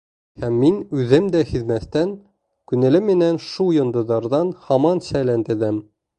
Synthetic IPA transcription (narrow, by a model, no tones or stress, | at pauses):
hæmːinʉðɘmd̪æhiðmæθt̪æn | kʉnæ̆lɘmːɘ̆nænʃujŏnd̪ɤ̆ðɑɾðɑnhɑmɑnɕælænt̪ɘ̆ðæm